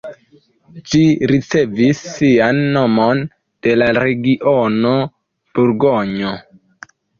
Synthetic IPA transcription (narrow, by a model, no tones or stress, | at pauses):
d͡ʒiɾit͡se̞visːianːo̞mon | d̥e̞laɾe̞ɡiʔono̞ | b̥uɾɡoɲo